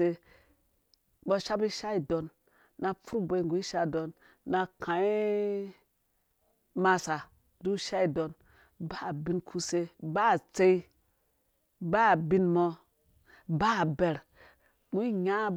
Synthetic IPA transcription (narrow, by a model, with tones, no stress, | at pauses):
e˧ | ɓɔ˦ʃa˦bi˦ʃa˦i˨do˨nː | a˨fu˦ɾu˦bʷe˨i˦ŋɡu˨i˦ʃa˦˨do˨nː | a˨kʰã˨i˦ | ma˧sa˨ | du˦ʃa˦i˨do˨n | ba˦˨bi˦nkʰu˦se˦ba˦˨t͡se˦i˦ | ba˦˨bi˦nmɔ˧ | ba˦˨be˨ɾ | mu˦i˦ɲa˦